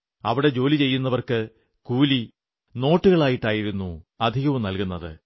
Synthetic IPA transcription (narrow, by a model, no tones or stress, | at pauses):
ɐ̰ʋiɽe̞d͡ʑo̞ːlit͡ɕe̞jːunːɐʋɐrkɨ | kuːli | no̞ːʈːuɣɐɭaːjiʈːaːjiɾunːuɐd̪ʱiɣɐʋumnɐlkunːɐðɨ̰